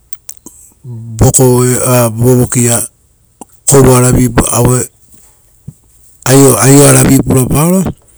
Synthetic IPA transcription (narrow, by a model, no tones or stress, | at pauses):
bo̞koeaboβokia | kowbaɾabipuawe | ajoajoaɾabipuɾabaoɾa